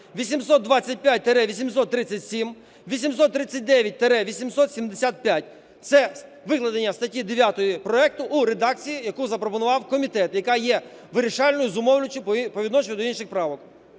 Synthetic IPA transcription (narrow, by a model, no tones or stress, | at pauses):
ʋʲisʲimsɔt̪̚d̪ʋɑt͡sʲːɐt̚ʲpʲjat̚ʲt̪eɾɛʋʲisʲimsɔt̪ːɾɪt͡sʲːɐtʲsʲim | ʋʲisʲims̬ɔt̪ːɾɪt͡sʲːɐt̚ʲd̪ɛʋʲjɐt̚ʲt̪eɾɛʋʲisʲimsɔt̪sʲimd̪esʲat̪̚pʲjat̚ʲ | t̪sɛ | ʋɪklˠɐd̪enʲːɐst̪ɐtʲid̪eʋʲjat̪ɔjipɾɔɛk̚t̪ʊʔuɾed̪ɑkt͡sʲijijɐkuzɐpɾɔpɔnʊʋɑwkɔmʲit̪ɛt̪jɐkɑjɛ | ʋɪɾʲiʃɑlʲnɔjʊzʊmɔwlʲʊt͡ʃʊpɔʋʲid̪nɔt͡ʃɪjʊd̪ɔinʃɪxpɾɑʋɔk